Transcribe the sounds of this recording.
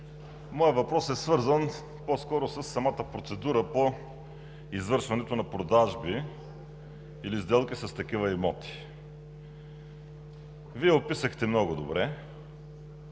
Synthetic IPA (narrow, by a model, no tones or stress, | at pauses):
mɔjəvɐpɾɔsɛsvɤɾzən | poskɔɾʊsəsːɐmat̪əpɾot̪sɛd̪uɾəpo | izvɤɾʃvɐnɛt̪onɐpɾod̪aʒbi | ilizd̪ɛlˠkisɐst̪ɐk̟ivəimɔt̪i̥ | viɛopisəxt̪ɛmnɔɡʊd̪obɾɛ